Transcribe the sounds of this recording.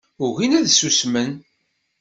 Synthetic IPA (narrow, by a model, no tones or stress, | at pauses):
ʊɣinæðsusmən